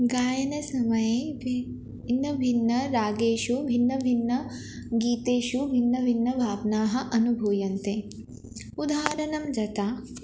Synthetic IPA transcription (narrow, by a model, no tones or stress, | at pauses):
ɡaːjɐnɐsɐmɐje | nːɐbʱinːɐɾaːɡeːʃubʱinːɐbʱinːɐ | ɡiːt̪eːʃubʱinːɐbʱinːɐbʱaːbnaːɦɐ̆ʔɐnubʱuːjɐnt̪e | ud̪ʱaːɾɐnɐmd͡ʒɐt̪aː